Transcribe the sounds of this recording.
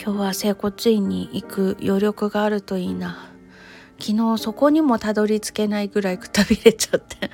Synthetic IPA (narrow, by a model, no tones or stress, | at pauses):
kʲo̞ːβase̞ːko̞t͡siiɲ̟ːiʔikɯ̟jo̞ɾʲjo̞kɯ̟ɡaːɾɯ̟t̪o̞iːna | kʲino̞ːso̞ko̞ɲ̟imo̞t̪ad̪o̞ɾʲit͡sɨ̥ke̞naiɡɯ̟ɾaikɯ̟̥t̪abʲiɾe̞t͡ɕḁt̪ʰːe̥